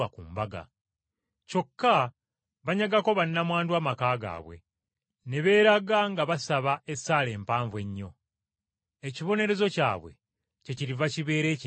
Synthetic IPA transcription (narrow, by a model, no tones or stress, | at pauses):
akumbaɡa̰ | co̞kːa | βaɲaɡako̞βanːamwaːndwaːmakaːɡa̰ːβwe̞̰ | ne̞βe̞ːɾaɡaŋɡaβasaβae̞sːaːle̞ːmpaːɱvwe̞ɲːo̞ | eciβo̞ne̞ɾe̞zo̞ca̰ːβwe̞̰ | ce̞ciɾivaciβe̞ːɾe̞ːc